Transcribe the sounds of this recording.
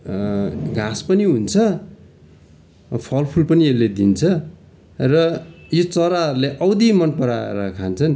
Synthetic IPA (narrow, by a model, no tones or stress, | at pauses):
ɡʱãspʌniɦunt͡sʰʌ | pʰʌlpʰulpʌnielːed̪int͡sʰʌ | rʌjot͡sʌɾaɦʌɾuleʔʌwd̪imʌnpʌɾaḛɾʌkʰant͡sʰʌn